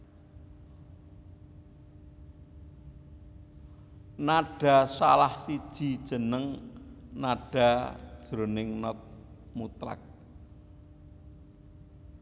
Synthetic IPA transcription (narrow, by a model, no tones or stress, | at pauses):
naɖ̥a̤salahsid̥ʒ̥i̤d̥ʒ̥ə̤nəŋnaɖ̥ä̤̥ʒ̥ɾonɪŋnɔt̪̚ | mut̪ɾa̰k̚